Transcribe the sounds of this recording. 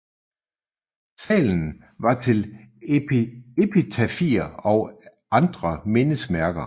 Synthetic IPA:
sɛ̰ːln̩ | ʋɑ̈t͡sʰe̝lʰ | e̝pʰit͡sʰæfiɐɒ̽ʊ | ɑ̈nd̥ʁɐmenəsmæɐɡ̥ɐ

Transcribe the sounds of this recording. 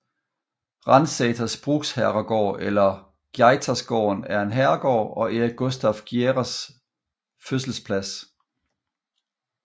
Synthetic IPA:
ʁɑ̈nsɛːt͡sʰɐsb̥ʁuɡ̥shæɐʁɐɡ̥ɒ̰ːelɐ | ɡ̥jɑ̈ɪt͡sʰæsɡ̥ɒ̰ːnæɐe̝nɦæɐɡ̥ɒ̰ːɒ̽eæɡ̥osd̥æfɡ̥jeʁæs | føs̬l̩spʰlæs

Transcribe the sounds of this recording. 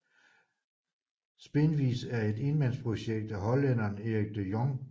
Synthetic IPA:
sb̥e̝nʋḭːsæɐe̝d̥e̝nmænspʰʁo̝ɕeɡ̥̚d̥æɦɒ̽lːenɐːne̝ʁiɡ̥̚d̥ejɒŋ

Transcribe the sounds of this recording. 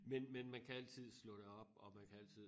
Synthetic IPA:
menmenmænkʰææl̰t͡sʰið̞̰ˠslɔ̽ɾ̥eɒ̽b̥ɒ̽mænkʰææl̰t͡sʰið̰ˠ

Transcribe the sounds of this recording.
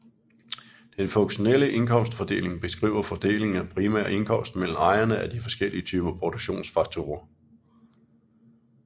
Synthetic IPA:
d̥enfɔ̽ŋɕo̝neləʔe̝nkʰɒ̽m̰sd̥fɒ̽d̥e̝̰ːle̝ŋb̥e̝sɡ̥ʁḭːʊɐfɒ̽d̥e̝̰ːle̝ŋæpʰʁimæ̰ɐe̝nkʰɒ̽m̰sd̥mel̰m̩ɑ̈ɪɐnəæd̥ifɒ̽sɡ̥eliət͡sʰyːb̥ɐpʰʁod̥oɡ̥ɕo̝̰ːnsfɑ̈ɡ̥̚t͡sʰo̝̰ːɐ

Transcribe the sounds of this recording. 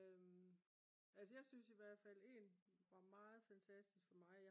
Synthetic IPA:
øm | ælsəjɑ̈ɪsynsiʋæɐ̰d̥fæle̝̰ːnʋɑ̈mɑ̈ːð̞̩ˠfænt͡sʰæsd̥isɡ̥fɒ̽mɑ̈ɪj

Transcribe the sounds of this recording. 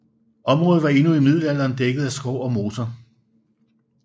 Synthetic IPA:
ʔɒ̽mʁɔ̽ːð̩ˠʋɑ̈e̝nuimið̰ˠlæl̰ɐːnd̥eɡ̥ð̞̩ˠæsɡ̥ɒʊ̰ɒ̽mo̝ːt͡sʰɐ

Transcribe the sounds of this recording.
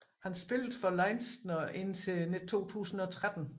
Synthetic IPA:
hænsb̥e̝ləd̩ˠfɒ̽lɑ̈ɪnsd̥nɐʔe̝n̰t͡sʰe̝ne̥t͡sʰo̝̰ːt͡sʰṵːsn̩ɒ̽t͡sʰʁad̥n̩

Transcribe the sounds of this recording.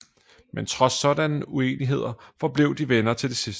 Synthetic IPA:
ment͡sʰʁɒ̽sɒ̽d̥ænəue̝̰ːniɦe̝ð̰ˠɐfɒ̽b̥le̝ʊ̰d̥iʋenɐt͡sʰe̝ld̥e̝sis

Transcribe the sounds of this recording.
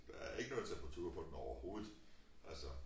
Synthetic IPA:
æeɡ̥ənɔðˠt͡sʰemb̥ʁɑ̈t͡sʰuːɐpʰɒ̽d̥en̩ɒʊɐho̝ːð̩ˠ | ʔælsɒ

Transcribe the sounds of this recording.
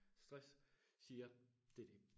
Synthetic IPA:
sd̥ʁassiːɐd̥ed̥e

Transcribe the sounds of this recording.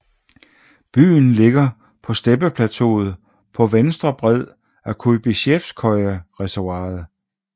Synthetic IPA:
b̥y̰ːnle̝ɡ̥ɐ | pʰɒ̽sd̥eb̥əpʰlæt͡sʰo̝̰ːð̩ˠ | pʰɒ̽ʋensd̥ʁɐb̥ʁɛð̞̰ˠ | ækʰub̥iɕefskʰɒɪəʁɛsɑ̈ːð̩ˠ

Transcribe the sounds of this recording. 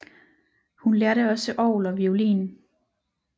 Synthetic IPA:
hunleɐɾəɒ̽səʔɒʊlɒ̽ʋiolḭːn

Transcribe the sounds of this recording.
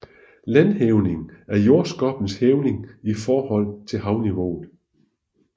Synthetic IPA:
lænheʊne̝ŋæɐjo̝ːɐsɡ̥ɒ̽b̥n̩sheːʊne̝ŋifɒːhɒ̽l̰t͡sʰe̝lɦɑ̈ʊniʋo̝̰ːð̩ˠ

